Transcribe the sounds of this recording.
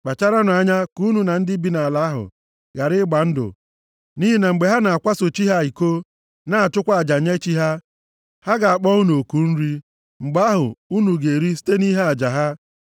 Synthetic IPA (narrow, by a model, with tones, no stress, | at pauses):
k͡pa˨t͡ʃa˦ɾa˦nʊ˨a˨ɲa˦ku˦nu˨na˨n̩˦dɪ˦bi˨na˨la˦ɦʊ̰˨ | ɡa˨ɾɪ˦ɡ͡ba˨n̩˦dʊ̰˨ | ni˦ɦi˦na˨ŋ͡m̩˨ɡ͡be˨ɦa˦na˨a˨kʷa˦so˨t͡ʃi˦ɦa˦˨i˨ko˦ | na˦a˨t͡ʃʊ˦kʷa˦˨a˨d͡ʒa˨ɲe˦t͡ʃi˦ɦa˦ | ha˦ɡa˨a˨k͡pɔ˦u˦nu˨o˨ku˨n̩˦ɾi˦ | ŋ͡m̩˨ɡ͡ba˦ɦʊ̰˨u˦nu˨ɡe˨ɾi˦si̥˦te˦ni˦ɦa˦a˨d͡ʒa˨ɦa˦